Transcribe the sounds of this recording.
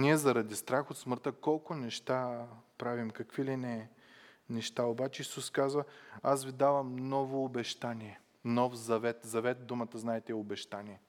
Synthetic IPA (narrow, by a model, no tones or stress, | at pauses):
niɛzɐɾɐd̪ist̪ɾaxot̪smɤɾt̪əkɔlˠkʊnɛʃt̪apɾavimkɐkvilinɛ | nɛʃt̪aobat͡ʃɛisuskazvəasvid̪avɐmnɔvoːbɛʃt̪aniɛ | nɔfzɐvɛt̪zɐvɛt̪̚d̪umət̪əznaɛt̪ɛobɛʃt̪anʲiɛ